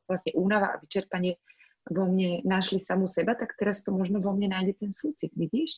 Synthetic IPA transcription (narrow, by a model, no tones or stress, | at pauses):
lasɲɛʔuːnaʋaʔa̰ʋit͡ʃɛɾpaɲɪɛ | ʋɔmɲɛnaʃlisamusɛbat̪akt̪ɛɾast̪ɔmɔʒnɔʋɔmɲɛnaːjɟɛt̪ɛnsuːt͡sit̪ʋiɟiːʃ